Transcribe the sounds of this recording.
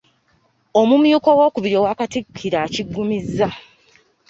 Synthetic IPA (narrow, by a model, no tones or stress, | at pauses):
o̞mumjuːko̞wo̞ːkuβiɾowaːkatikʰːiɾaciɡːumizːa